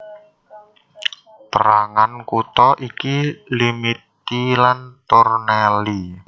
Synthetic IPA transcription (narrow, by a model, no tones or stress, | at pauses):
pəɾaŋankut̪ɔʔikilimit̪ilant̪ɔrnɛli